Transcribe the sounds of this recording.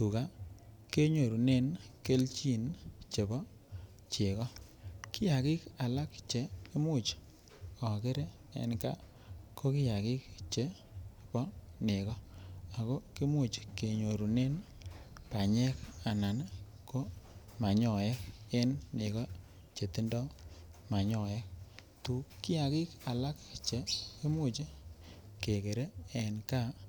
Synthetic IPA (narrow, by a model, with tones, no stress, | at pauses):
tu˨ka˦ke˦ɲo˨ɾu˨ne˦nke˦lt͡ʃi˦nt͡ʃe˨bɔ˦ | t͡ʃɪ˨kɔ˦kɪ˦ja˨kɪ˦ka˨la˦kt͡ʃe˨˦kɪ˦mʊ˦˨t͡ʃ | ɔ˨kɪ˦ɾe˦ | ḛ˦nka̰˦ | ko˦kɪ˦ja˨kɪ˦kt͡ʃe˦ | pɔ˦nɪ˨kɔ˦a˨ko˦ki˦mu˦˨t͡ʃke˨ɲo˨ɾu˨ne˦n | pa˨ɲɛ˦ka˨na˨n | ko˦ | ma˨ɲɔ˨jɛ˦k̚e˦nnɪ˨kɔ˦ | t͡ʃe˨ti˦ndɔ˦ma˨ɲɔ˨jɛ˦k̚ | tu˨kɪ˦ja˨kɪ˦ka˨la˦kt͡ʃe˨˦ki˦mu˦t͡ʃke˨ke˨ɾe˦e˨nka˦